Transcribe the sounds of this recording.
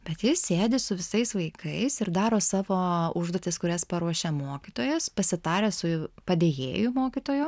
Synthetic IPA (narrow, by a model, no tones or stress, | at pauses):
b̥ʲɛt̪jɪsʲeːd̪ʲɪsʊʋʲɪsɐɪsʋɐɪkʰɐɪsɪɾd̪ɑːɾoːsɑːʋoːʊʒd̪oːt̪ʲɪskʊɾʲɛspɐɾuɔʃʲeːmoːkʲit̪oːjɛspɐsʲɪt̪ɑːɾʲeːsʊpɐd̪ʲeːjḛːjʊmoːkʲit̪oːjʊ